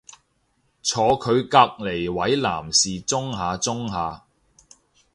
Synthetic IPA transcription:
t͡sʰɔː˨˧kʰɵ˨˧ɥkaː˧k̚le˨˩jwɐ˨˥jla̰ː˨˩msiː˨t͡sʊ˥ŋɦaː˨˧t͡sʊ˥ŋɦaː˨˧

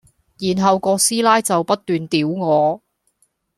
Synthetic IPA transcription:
jiː˨˩nɦɐ˨wkɔː˧siː˥laː˥jt͡sɐ˨wpɐ˥t̚t̪yː˨nt̪iː˨˥wŋɔː˨˧

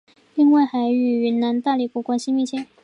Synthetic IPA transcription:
li˥˧ŋwa˥˩ɪxa˧˥ɪy˨˩y˧˥na˧˥nt̪a˥˧li˥˩pu˥˩kwa˥nɕi˥mi˥˩t͡ɕʰjɛ˥n

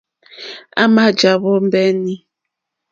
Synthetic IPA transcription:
a̰˦ma˦d͡ʒa˨βɔ˦mbɛ˦ni˦

